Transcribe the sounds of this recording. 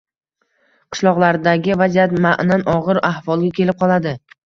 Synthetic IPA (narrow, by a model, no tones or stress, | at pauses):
qʰɨ̥ʃlˠɒʁlˠaɾd̪aɡʲɪvazijat̪maʔnanɒʁɨɾahvɒlˠɡʲakʲʰe̞lɪp̚qʰɒlˠad̪ɪ